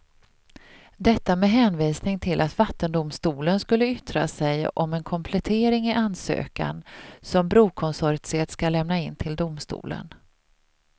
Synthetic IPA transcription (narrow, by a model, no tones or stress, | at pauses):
d̪ɛt̪ːamɛɦɛːnviːsnɪŋt̪ʰɪlʔat̪vat̪ːənd̪ʊmst̪uːlənskɵlːəʏt̪ɾa̰sɛjɔmɛnkʰɔmpʰlɛt̪ʰeːɾɪŋɪʔansø̰ːka̰nsɔmbɾuːkʰɔnsɔɾt̪seːt̪skalɛmnaɪnt̪ʰɪld̪ʊmst̪ṵːlə̰n